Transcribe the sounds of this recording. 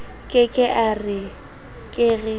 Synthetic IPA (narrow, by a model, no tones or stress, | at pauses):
kʼɪkʼɪʔarɪ | kʼɪɣɪ